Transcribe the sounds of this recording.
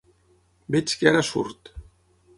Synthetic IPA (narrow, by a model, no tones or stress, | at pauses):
bet͡ʃkaɾasṵɾt̪